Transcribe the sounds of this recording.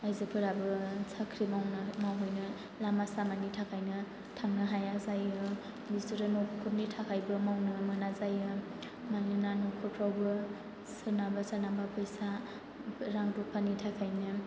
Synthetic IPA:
ajzɯpʰɯɾabɯsʰakʰɾimawnmawɦojnɯ | lamasamanitʰakʰajnɯ | tʰaŋnɯɦajazajɯ | bisɯɾanɔkʰup̚nitʰakʰajbɯmawnɯmɯnazajɯ | majnɯnanokʰɔpʰɾawbɯ | sɯnabasanabapʰɯjsa | ɾaŋdupʰanitʰakʰajnɯ

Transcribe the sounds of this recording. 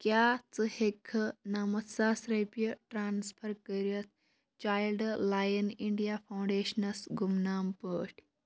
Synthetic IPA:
kjaːt͡sɨhekʰɐnaːmɐt̪saːsɾɐpjəʈɾaːnspʰɐɾkəɾət̪̚ʰ | t͡ʃaːjlɖlaːjɐniɳɖijapʰawɳɖeːʃɐnɐsɡumnaːmpəːʈʲʰ

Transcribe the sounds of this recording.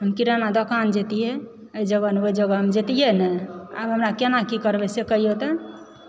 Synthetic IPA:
ɦəmkiɾanad̪ɔkand͡ʒet̪iɦɛ | əid͡ʒəɡəneoid͡ʒəɡəɦəmd͡ʒet̪ijɛnɛa̰bɦəmɾakenakikəɾbɛsekəɦijot̪ə

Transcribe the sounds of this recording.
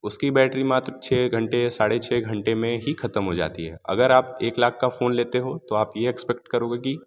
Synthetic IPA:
ʊskibɛːʈɾimaːt̪ɾt͡ʃʰɛːɡʱɐ̃ɳʈesaːɽet͡ʃʰɛːɡʱɐ̃ɳʈemẽɦixʰɐt̪əmɦod͡ʒa̰ːt̪iɦɛ̰ːɐ̰ɡəɾaːpeːklaːkʰkafoːnleːt̪eɦot̪oaːpjeɛkspɛk̚ʈkɐɾoːɡeki

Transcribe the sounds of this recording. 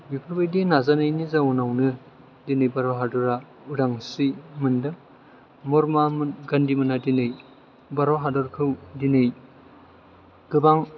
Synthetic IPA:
bipʰɯɾbɯjdinazanɯjnizawɔnawnɯ | dinɯjbaɾɔɦadɔɾa | udaŋsimɯndɯ | mɔɾmamɡandimɯnadinɯj | baɾɔɦadɔɾkʰɯwdinɯj | ɡ̥ɯbaŋ

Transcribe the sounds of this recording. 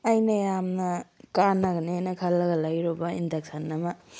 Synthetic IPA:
ɐjnɐjamnɐkanːɐɡɐnenɐkʰɐlːɐɡɐlajɾobaindɐk̚sɐnːɐma

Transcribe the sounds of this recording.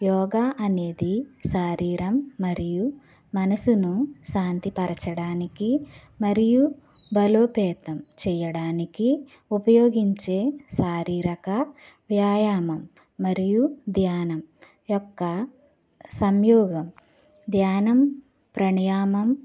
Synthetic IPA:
jɔːɡaːʔɐne̞ːd̪iʃaːɾiːɾɐmːɐɾiju | mɐnɐsunuʃaːnt̪ipɐɾɐt͡ʃɐɽaːniki | mɐɾiju | bɐloːpɛːt̪ɐmt͡ʃɛːjɐɽaːniki | upɐjoːɡiɲt͡ʃe̞ːʃaːɾiːɾɐkɐ | ʋjaːjaːmɐmː | ɐɾijud̪jaːnɐm | jɔkːɐ | sɐmjɔːɡɐm | d̪jaːnɐm | pɾɐɳjaːmɐm

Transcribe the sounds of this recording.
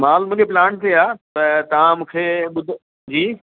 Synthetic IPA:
maːlmũːd͡ʑepɪlaːɳʈ̚t̪eaːt̪ɐt̪ɐʋ̤ãmũːkʰeːɓʊd̪ʱ | d͡ʑiː

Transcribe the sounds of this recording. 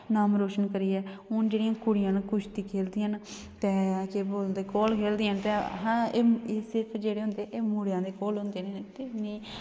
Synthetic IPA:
naːmɾoːʃənkəɾiːɛːʊnd͡ʒeːɽijãːkʊɽɪjãːnkʊʃʰt̪iːkʰeːld̪ɪːən | t̪ɛːkeːboːld̪eːkoːlkʰeːld̪ɪːənt̪ɛːɦãːeːeːsɪɾpʰd͡ʒeːɽeːɦʊ̃nd̪eeːmuːɽjãːd̪eːkoːlɦʊ̃nd̪eːneːt̪enĩː

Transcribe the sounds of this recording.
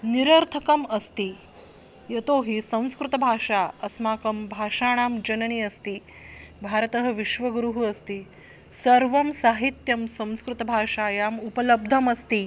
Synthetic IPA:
niɾɐɾt̪ʰɐkɐmɐst̪i | jɐt̪oːɦisɐ̃w̃skɾut̪ɐbʱaːʂaːɐsmaːkɐmbʱaːʂaːɽ̃aːmd͡ʒɐnɐniɐst̪i | bʱaːɾɐt̪ɐɦɐ̆ʋiʃʋɐɡɾuɦuɐst̪i | sɐɾʋɐmsaːɦit̪jɐmsɐ̃w̃skɾut̪ɐbʱaːʂaːjaːmupɐlɐb̚d̪ʱɐmɐst̪i

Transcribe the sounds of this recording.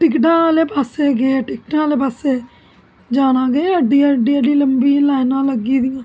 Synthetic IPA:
ʈɪkʈãːleːpaːseːɡeːʈɪkʈãːleːpaːseː | d͡ʒaːnãːɡeəɖːiːəɖiːəɖiːləmbiːlaːɪnãːləɡiːd̪ijãː

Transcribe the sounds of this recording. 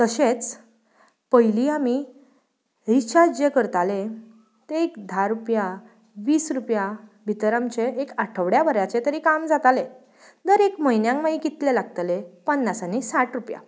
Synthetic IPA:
t̪əɕet͡s | pəjliami | ɾit͡ɕad͡ʑekəɾt̪ale | t̪eekd̪ʱaɾupja | ʋiːsɾupjabʱit̪ɾamt͡ɕeekaʈʰəʋɽjabəɾjat͡ɕet̪əɾikamd͡zat̪ale | d̪əɾekməjnjãŋkmaikit̪lelaɡt̪lepənːasanisaʈɾupja̰

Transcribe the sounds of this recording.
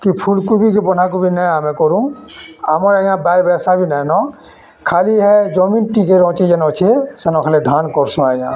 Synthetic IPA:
kipʰulkubʱik̬ebɔn̤ak̬ubʱinɛamɛ̃kɔɾũamɔɾəjãbaɾbɛsabʱinɛnɔ̃ | kʰaːliɦɛd͡ʒɔminʈik̬eɾɔ̃ːt͡ʃid͡ʒenɔ̃t͡ʃʰesenɔ̃kʰaled̪ʱankɔɾsũaijã̰

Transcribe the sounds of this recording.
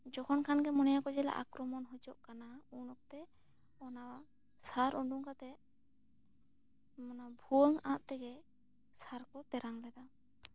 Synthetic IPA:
d͡ʒɔkʰɔnkʰanɡɛmɔnɛjakɔd͡ʒɛla̰ʔa̰kɾɔmɔnɦɔd͡ʒɔʔkanaunɔk̚t̪ɛ | ɔna | saɾɔɳɖuŋkat̪ɛ | mɔnabʱuəŋaʔ̪t̪ɛɡɛ | saɾkɔt̪ɛɾaŋlɛd̪a

